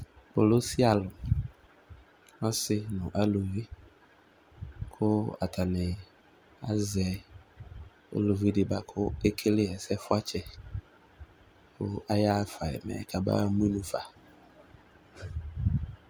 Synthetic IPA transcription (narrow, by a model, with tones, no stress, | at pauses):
bʊ˨lʊ˦si˦a˨lʊ˨ | ɔ˦sɪ˦nʊ̃˨ʔa˦lo˨vi˦ | kʰʊ˦a̰˨tʰa˨nɪ˨ | a̰˦zɛ˨ | o̰˦lo˨vi˦dɪ˨ba˨kʰʊ˦e˦kʰe˦lɪ˦ɛ˨sɛ˦fʊ˦a˦t͡ʃɛ˦ | kʰʊ̰˦a˦ja˦fa˨ɛ̰˨mɛ̰˨kʰa˨ba̰˦mũ˦i˦nũ˨fa˨